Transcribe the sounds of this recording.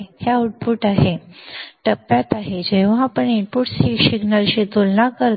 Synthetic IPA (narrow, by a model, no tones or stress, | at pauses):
hjauʈ̚puːʈaɦeʈəpːjat̪aɦed͡ʑeʋ̤ãpəɳiɳpuːʈsiksiɡnəlɕit̪olnakəɾ